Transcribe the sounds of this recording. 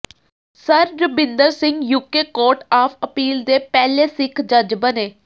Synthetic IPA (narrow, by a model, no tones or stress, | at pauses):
səɾɾəbɪ̃nd̪əɾsɪ̃ŋɡjuːkeːkoːɾʈaːpʰəpiːld̪eːpɛːleːsɪkʰd͡ʒəd͡ʒbəneː